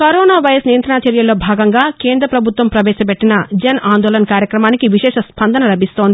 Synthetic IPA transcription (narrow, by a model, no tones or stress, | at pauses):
kɐɾoːnaːʋɐjɐsnijɐnt̪ɾɐnaːt͡ʃɐɾjɐlo̞ːbʱaːɡɐŋɡaːkeːnd̪ɾɐpɾɐbʱut̪ʋɐmpɾɐʋɛːʃɐpeʈːinɐd͡ʒɐnaːnd̪oːlɐnɐkaːɾjɐkɾɐmaːnikiʋiʃɛːʂɐspɐnd̪ʱɐnɐlɐbʱist̪o̞ːnd̪ii